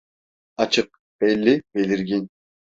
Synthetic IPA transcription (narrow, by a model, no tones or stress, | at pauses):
ɑt͡ʃʰɨq̚ | b̥elːib̥eliɾɡʲinʲ